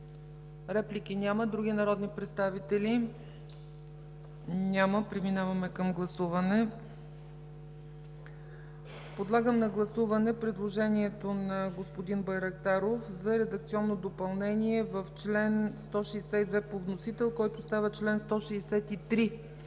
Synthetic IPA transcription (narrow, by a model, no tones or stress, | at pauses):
ɾɛplik̟inʲaməd̪ɾuɡ̟inɐɾɔd̪nipɾɛt̪st̪avit̪ɛli | nʲaməpɾiminavɐmɛkəmɡlˠɐsuvɐnɛ | pod̪lˠaɡəmnɐɡlˠɐsuvɐnɛpɾɛd̪lˠoʒɛniɛt̪onɐɡospod̪inbɐjɾɐk̚t̪aɾofzɐɾɛd̪ək̚t̪siɔnːod̪opɐlˠnɛniɛvəft͡ʃlɛnst̪ɔʃɛːsɛt̪id̪vɛpovnosit̪ɛlˠkɔjt̪ʊst̪avət͡ʃlɛnst̪ɔʃɛːsɛt̪it̪ɾi